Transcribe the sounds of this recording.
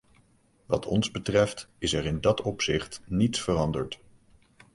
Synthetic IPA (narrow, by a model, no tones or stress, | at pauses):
ʋɑ̰tʰɔ̰nzbətrɛftɪsɛrɪndɑtɔpsɪχtnitsfərɑndəɹt